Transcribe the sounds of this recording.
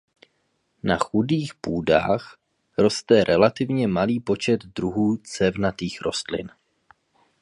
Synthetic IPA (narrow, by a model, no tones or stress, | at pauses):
na̰xudiːxpuːda̰ːx | ɾo̞st̪ɛɾʔɛlat̪ɪvɲɛmaliːpo̞t͡ʃɛd̪d̪ɾuɦuːt͡sɛvnat̪iːxɾʔo̞̰st̪lɪ̰n